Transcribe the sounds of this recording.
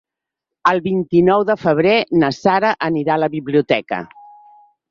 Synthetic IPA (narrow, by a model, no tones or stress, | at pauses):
əlˠβint̪inɔwðəfəβ̞ɾenəsaɾəʔəniɾaləβiβliut̪ɛkə̰